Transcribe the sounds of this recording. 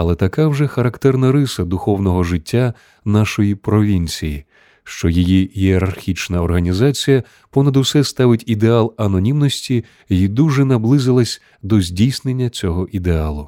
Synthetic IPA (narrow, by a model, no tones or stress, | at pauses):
ɐlˠɛt̪ɐkawʒʐɛxɐɾɐkt̪ɛrnɐɾɪsɐd̪ʊxɔwnɔɦɔʒɪtʲːa | naʃɔjipɾɔʋʲinʲt͡sʲiji | ʃt͡ʃɔjijiɦieɾɐrxʲit͡ʃnɐɔrɦɐnʲizat͡sʲijɐ | pɔnɐd̪uwsɛst̪ɑʋɪtʲid̪ealˠɐnɔnʲimnɔsʲtʲi | id̪uʒɛnɐblˠɪzɪlˠɐsʲ | d̪ɔzʲdʲijsnenʲːɐt͡sʲɔɦɔʔid̪ealˠʊ